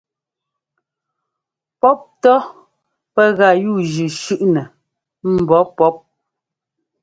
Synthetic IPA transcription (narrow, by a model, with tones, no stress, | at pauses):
pɔ˦p̚tɔ˦ | pɛ˦ɣa˨juː˦˨d͡ʒʉ˨ʃʉ˦ʔnɛ˨ | m̩˨bɔ˨˦pɔ˦p̚